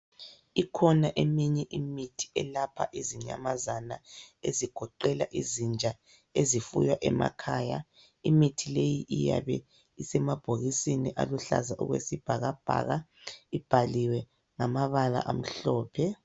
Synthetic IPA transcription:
ikʰɔnaʔemiɲɛʔimitʰi̥ɛlapʰa̰ʔiziɲa̰mazanaeziɡ̥ʱɔǃɛla̰ʔizind͡ʒʱa | ezifṵjwaʔɛma̰kʰaːja | imitʰilejiʔija̰βɛ | isɛmab̥ʱoɣisiniʔa̰luɬa̰zaʔṵɣwḛsib̥ʱaɣab̥ʱa̰ɣaib̥ʱaliwɛ | ŋamaβala̰ʔam̩ɬɔːpʰɛ

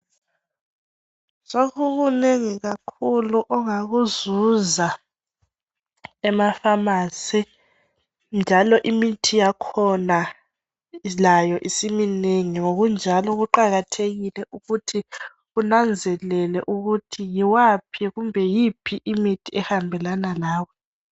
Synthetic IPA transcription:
soɣuɣuneŋiɣakʰuluʔɔŋaɣuzuza | ɛmafamasɛ | nd͡ʒʱalɔʔimitʰijakʰɔna | lajɔʔisimineŋiŋoɣund͡ʒʱalɔɣuǃaɣatʰeɣilɛʔuɣutʰi | ɣunand͡zʱɛlɛlɛʔuɣutʰijiwapʰiɣumbʱɛjipʰiʔimitʰiɛhambʱɛlanalaːwɔ

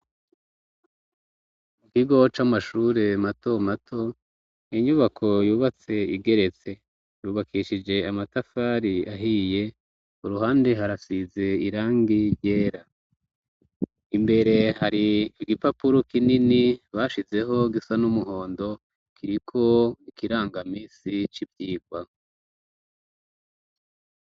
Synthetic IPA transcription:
mukiɡo̞t͡ʃamaʃuːɾe̞mato̞matʰo̞ | iɲuβakʰo̞juːβat͡se̞iɡe̞ɾe̞t͡se̞ | juːβakʰiʃid͡ʒe̞amatafaːɾiaɦije̞ | uɾuɦaːnde̞ɦaɾasize̞iɾaːŋɡiɾje̞ːɾa | imbe̞ɾe̞haɾiɡipapuɾokininiβaːʃize̞ɦo̞ɡisanumuɦo̞ːndo̞ | kʰiɾikʰo̞ikiɾaːŋɡamiːsit͡ʃibjiːɡwa

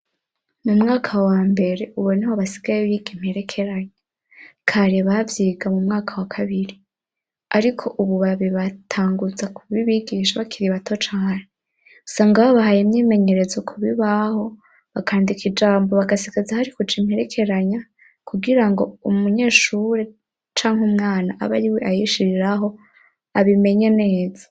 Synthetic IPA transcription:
mumŋaːkʰawaːmbe̞ɾe̞ʔuβonahoβasi̥ɡajeβjiɡim̥he̞ɾe̞kʰe̞ɾaɲa | kʰaɾeβavjiːɡamumŋaːkʰawakʰaβiɾi | aɾikʰo̞ʔuβuβaβiβatʰaːŋɡuzakʰuβiβiɡiːʃaβakʰiɾiβato̞t͡ʃaːne | usaːŋɡaβaβahajemɲiːme̞ɲe̞ɾe̞zokʰuβiβaho̞ | βakʰaːndikʰid͡ʒaːmbo̞βaɡasiɡazahaɾikut͡ʃimhe̞ɾe̞kʰe̞ɾaɲa | kʰuɡiɾaŋɡo̞umuɲe̞ːʃuɾe | t͡ʃaːŋhumŋaːnaʔa̰βaɾiweʔajiʃiɾiɾaɦo̞ | aβime̞ɲe̞ne̞ːzḁ

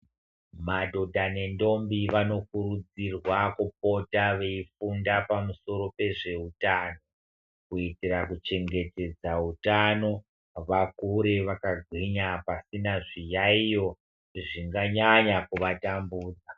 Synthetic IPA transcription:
madʱo̞dʱane̞ndo̞mbiʋano̞kuɾud͡zirwakup̚o̞taʋe̞ifundapamuso̞ɾo̞pe̞ʐe̞utaːno̞ | kuitirakut͡ʃe̞ŋɡe̞te̞d͡zautano̞ | ʋakuɾeʋakaɡʱwiɲapasinaʐijaijo̞ | ʐiŋɡaɲaɲakuʋatambuːd͡za

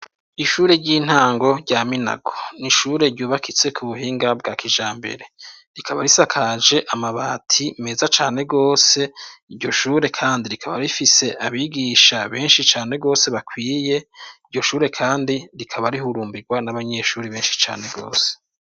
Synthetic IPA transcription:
iʃuːɾe̞ɟiːn̥haːŋɡo̞ɾɟaːmina̰ɡo̞̥niʃuːɾe̞ɾɟuːβakʰit͡se̞kʰuβuɦiːŋɡab̚ɡaːkʰiʒaːmbe̞̰ɾe̞ | ɾikʰaβaɾisakʰad͡ʒe̞ʔamaβaːtʰime̞ːzat͡ʃaːne̞ɡo̞ːse̞iɾɟo̞ʃuːɾe̞kʰaːndiɾikʰaβa̰ɾifise̞ʔaβiːɡiːʃaβe̞ːnʃit͡ʃaːne̞ɡo̞ːse̞βakwiːje̞iɾɟo̞ʃuːɾe̞kʰaːndiɾikʰaβaɾihuɾuːmbiɡwanaβaɲe̞ːʃuːɾiβeːnʃi̥t͡ʃa̰ːne̞ɡo̞̰ːse̥

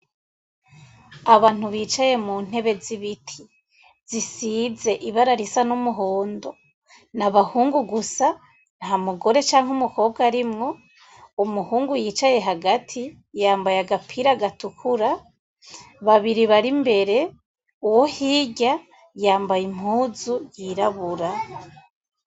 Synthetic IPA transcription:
aβaːn̥huβiːt͡ʃaje̞muːn̥he̞βe̞ziβitʰi | z̥isize̞ʔiβaɾaɾisanumuɦoːndo̞ | naβahuːŋɡuɡusa | naɦamuɡo̞ɾe̞t͡ʃaːŋɦumuko̞ːb̚ɡaɾimŋo̞ | umuhuːŋɡujiːt͡ʃaje̞ɦaɡatʰi | jaːmbajaɡapʰiɾaɡatukʰuɾa | βaβiɾiβaɾimbe̞ɾe̞ | uwohiːɟa | jaːmbajim̥huːzujiɾaβuɾa

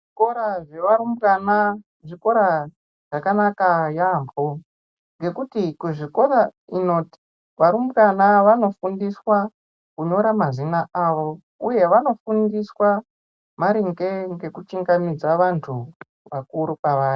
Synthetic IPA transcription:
ʐiko̞ɾaʐe̞ʋarumbana | ʐiko̞ɾa | ʐ̥akanakajambʱo | ŋɡe̞kutikuʐiko̞raino̞ːti̥ | ʋaɾumbɣanaʋano̞fundiswa | kuɲo̞ɾamazinaʔaʋo̞ | uje̞ʋano̞fundiswa | maɾiŋɡe̞ŋɡe̞kut͡ʃiŋɡamid͡zaʋantʰu | ʋakuɾupaʋaːri

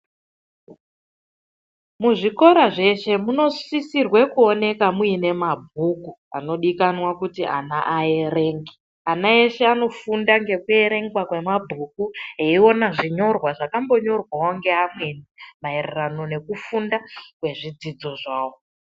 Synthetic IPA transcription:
muʐiko̞ɾaʐe̞ʃe̞muno̞sisirwe̞kuo̞ne̞kamuine̞mabʱukua̰no̞ɗikanwakutiʔa̰naʔae̞re̞ːŋɡi | anae̞ʃe̞ano̞fundaŋɡe̞kue̞ɾe̞ŋɡwakwe̞mabʱukueio̞naʐiɲo̞rwaʐakambo̞ɲo̞rwawoŋɡe̞amwe̞nmae̞rerano̞ne̞kufundakwe̞ʐid͡zid͡zo̞ʐaːwo

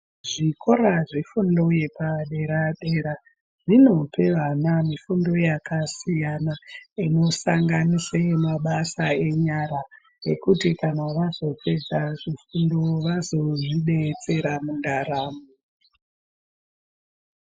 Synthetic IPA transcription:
ʐikʰo̞ɾaʐifundo̞je̞paɗe̞ɾaɗe̞ːɾa | ʐino̞pe̞ʋanamifundo̞jakasijanaino̞saŋɡanisemaɓasae̞ɲaɾa | jekutikanaʋazo̞pe̞d͡zaʐifundo̞ʋazo̞ʐiɗe̞t͡se̞ɾamundaraːmu

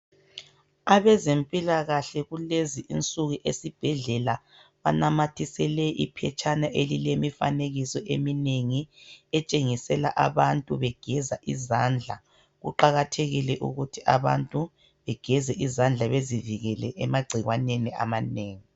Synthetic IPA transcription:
aβɛzempʼilaɣaɬɛɣuleziʔint͡sʼuɣuʔesib̥ʱɛɮɛla | βa̰namatʰisɛlɛʔipʰɛt͡ʃʰʼanaʔelilemifa̰neɣisɔʔemineŋiɛt͡ʃʼeŋisɛla̰ʔaβantʼuβɛɡ̥ʱɛzaʔizand͡ɮʱa̰ | ɣṵǃaɣatʰeɣilɛʔṵɣutʰiʔaβa̰ntʼu | βɛɡ̥ʱɛzɛʔizand͡ɮʱaβeziviɣɛlɛ̰ʔɛmaɡ͡ǀʱiɣwanenia̰maneːŋi

